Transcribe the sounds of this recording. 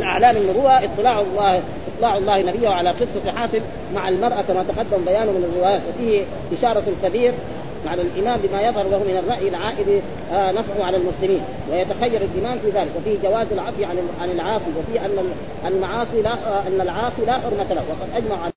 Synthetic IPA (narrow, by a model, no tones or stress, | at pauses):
mɪnʔa̰ʕlaːmanːʊbuːaʔɪt̪ˤːɨlaːʕlːɑːh | ʔɨt̪ˤlɑːʕɑlˤːɑːhnabɪjːahʕalaqɨsˤːɑfħaːsɪb | maʕalmɑɾˤʔakamat̪ɑqɑd̪ːambajaːnumɪnarːɪwaːjaːt̪wafiːhi | ʔɪʃɑːɾˤɑlkabiːɾ | maʕaalʔɪmaːmbɪmajɑðˤhɑɾˤlahumɪnarˤːɑʔjalʕaːʔɪd̪i | nafʕʊʕalalmʊslɪmiːn | wajat̪axajːɑɾˤalʔɪmaːmfiːðaːlɪkwafiːhd͡ʒawaːzalʕɑfjiʕanʕanalʕɑːsˤiwafiːʔanːa | ʔalmɑʕɑːsˤilaʔanːalʕɑːsˤilaːxɪɾmat̪alawɑqɑd̪ʔad͡ʒmaʕʕal